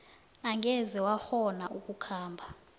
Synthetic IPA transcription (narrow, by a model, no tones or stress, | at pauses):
aŋʱɛzɛwaxɔnaʔuk̬ʼukʰaːmbʱa